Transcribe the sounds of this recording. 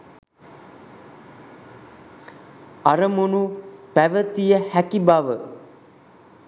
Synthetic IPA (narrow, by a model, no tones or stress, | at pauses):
aɾəmunupæʋət̪ijəhækibaʋə